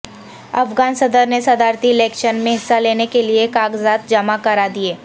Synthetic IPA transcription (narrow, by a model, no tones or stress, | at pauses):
ɐ̰fɡaːnsɐd̪əɾnesɐd̪aːɾt̪iɪlɛːkʃənmẽɦɪsːaleːnekeliekaːɡzaːt̪̚d͡ʒɐmakɐɾad̪ieː